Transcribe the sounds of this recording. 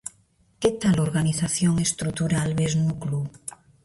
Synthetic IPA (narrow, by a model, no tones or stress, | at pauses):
ket̪aloɾɣaniθaθjoŋest̪ɾut̪uɾalβeznuklu